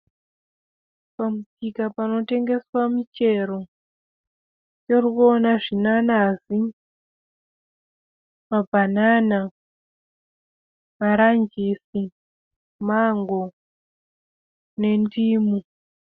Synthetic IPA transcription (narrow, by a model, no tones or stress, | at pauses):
pamutikapano̞te̞ŋɡe̞swamit͡ʃe̞ɾo̞ | jorikuonaʐinanazi | mabʱanana | maɾand͡ʒisi | maŋɡo | ne̞ndiːmu